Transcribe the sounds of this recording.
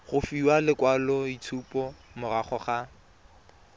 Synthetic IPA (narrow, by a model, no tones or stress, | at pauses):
χʊfiwalɪkwalɔitʰupɔmʊraχɔχa